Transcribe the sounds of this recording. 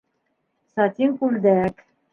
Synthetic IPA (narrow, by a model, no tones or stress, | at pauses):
sɑt̪ʲiŋkuld̪æk